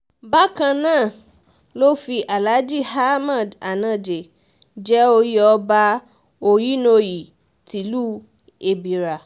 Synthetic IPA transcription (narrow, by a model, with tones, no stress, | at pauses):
ba˦kã˧nãː˦˨ | lo˦fi˧ʔa˨la˨˦d͡ʒi˦˨ha˦mã˦˨da˨nã˨d͡ʒe˨ | d͡ʒɛ˦o˧ji˦ɔ˧ba˧ | o˧ji˦no˧ji˨ | ti˨˦luː˦˨ | e˨bi˨ɾa˨